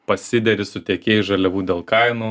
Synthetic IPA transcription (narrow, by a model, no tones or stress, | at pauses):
pɐsʲɪd̪ʲɛɾʲɪsʊt̪ʲeɛkʲeːjɪʒɐlʲɛʋuːd̪ʲeːlˠkɐɪnuː